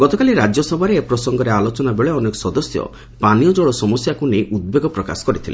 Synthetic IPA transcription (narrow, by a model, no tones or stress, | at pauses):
ɡ̥ɔt̪ɔkaliɾad͡ʒjɔsɔbʱaɾeepɾɔsɔŋɡɔɾealot͡ʃɔnabeɭeɔnekɔ̥sɔd̪ɔsjɔ̰ | panijɔd͡ʒɔɭɔsɔmɔsjakunejʔud̪̚beɡɔpɾɔka̰sɔ̥kɔɾit̪ʰilḛ